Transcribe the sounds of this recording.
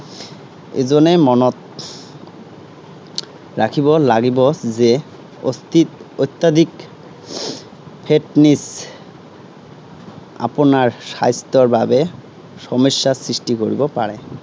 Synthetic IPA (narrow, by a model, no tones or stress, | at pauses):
ḛd͡ʑonːemɔnot̪ | ɾakʰibolaɡibod͡ʑe | oiojt̪ːad̪ʱik | pʰeʈnis | a̰ponaɾʃa̰jst̪oɾbʱabe | ʃɔmoʃːasɾiʃʈikoɾḭbopaɾe